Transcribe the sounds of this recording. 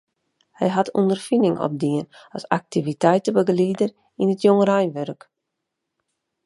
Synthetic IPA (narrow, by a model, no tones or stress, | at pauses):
hɛjɦatʰṵndərfindɪŋɔ̰p̚diənasak̚tivitɛjtəbəɡliːdən | inətjoŋərajnʋørk